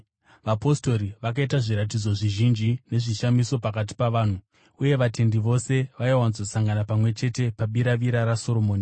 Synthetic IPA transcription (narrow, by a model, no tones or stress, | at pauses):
ʋapo̞sto̞ɾiʋakaitaʐiɾat̬id͡zo̞ʐiʒind͡ʒine̞ʐiʃamiso̞pakat̬i̥paʋaːn̤u | uje̞ʋate̞ndiʋo̞se̞ʋaiwanzosaŋɡanapamwe̞t͡ʃe̞te̞paɓiɾaʋiɾaɾaso̞ɾo̞moːni